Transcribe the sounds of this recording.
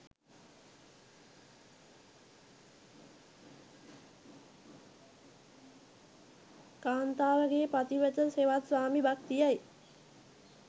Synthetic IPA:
kaːnt̪aːʋəɡepat̪iʋət̪əseʋat̪swaːmibak̚t̪ijaj

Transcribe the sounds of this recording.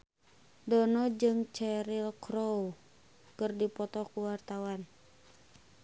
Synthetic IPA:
dɔnɔd͡ʒɨŋt͡ʃɛɾilkɾow | kɨrdipɔt̪ɔkuwart̪awan

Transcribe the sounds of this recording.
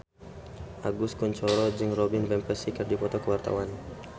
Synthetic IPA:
ʔaɡʊskuɲt͡ʃɔɾɔd͡ʒɨŋrɔbɪnvɛmpɛsikərdipɔt̪ɔkəwart̪a̰wan

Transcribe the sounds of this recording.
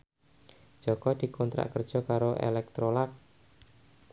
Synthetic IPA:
d͡ʒ̥ɔkɔd̪̥i̤kɔnt̪ɾa̰ʔkərd̥ʒ̥ɔ̤kaɾoʔḛlɛk̚t̪ɾolak̚

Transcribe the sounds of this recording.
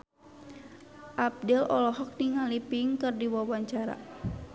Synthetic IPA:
ʔab̚dɛlɔlɔɦɔk̚niŋalipiŋkɨrdiwawaɲt͡ʃaɾa̰

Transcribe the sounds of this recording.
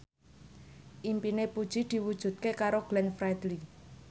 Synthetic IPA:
ʔimpinepud̥ʒ̥id̪̥i̤wud̥ʒ̥ṳt̪̚kekaɾoɡ̥lɛnfɾajd̪li

